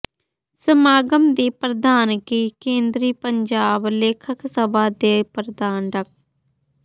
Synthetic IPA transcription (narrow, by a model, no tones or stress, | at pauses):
səmaːɡəmd̪iːpɾəd̪aːnkiːkẽːnd̪ɾiːpəɲd͡ʒaːbleːkʰəksəbaːd̪eːpɾəd̪aːnɾək̚